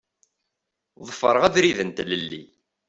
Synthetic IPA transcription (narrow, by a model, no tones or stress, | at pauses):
ðˤəfːə̰ɾˤəʁæðɾiðənt̪ləlːḭ